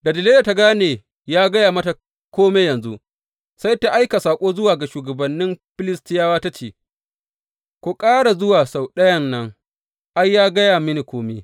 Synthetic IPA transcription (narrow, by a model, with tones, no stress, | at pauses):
dɐ˨dɪ˨leː˦da˨ta˦ɡaː˦neː˨ | jaː˦ɡɐ˦jaː˨mɐ˦ta˨ | kʷoː˦meː˦jɐ˨nzṵ˦ʔ | sa˦jta˦ʔa˦jka˨saː˨kʷʼoː˦zʊ˦waː˨ɡa˨ʃuː˨ɡɐ˨bɐ˨nːɪ˦mɸɪ˦lɪ˦stɪ˦jaː˦waː˦ta˦t͡ʃḛː˨ | kʷu˨kʼaː˦ɽa˨zʊ˦waː˨sa˨wɗɐ˦jɐ˦nːɐ˦ŋ | ʔa˦jːaː˦ɡɐ˦jaː˨mɪ˦ni˨kʷoː˦me˦